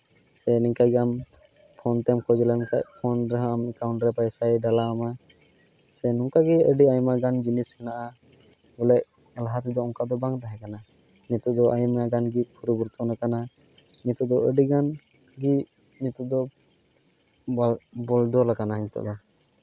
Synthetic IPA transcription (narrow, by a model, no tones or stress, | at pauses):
sɛniŋkaɡɛam | pʰɔnt̪ɛmkʰɔd͡ʒɛlanka̰ʔ̚pʰɔnɾɛɦɔamɛkawɳʈɾɛpajsajɖalaama | sɛnuŋkaɡɛəɖiajmaɡand͡ʒinishɛnaʔa | bɔlɛʔ̚ | laɦat̪̬ɛd̪ɔɔŋkad̪ɔbaŋd̪aɦɛkana | ɲɛt̪uʔd̪ɔʔajmaɡanɡipʰuɾɔbuɾt̪ɔnakana | ɲɛt̪ɔʔd̪ɔəɖiɡan | ɡi | ɲit̪ɔd̪ɔ | bɔldɔlakanaɲɛt̪ɔ̰ʔd̪ɔ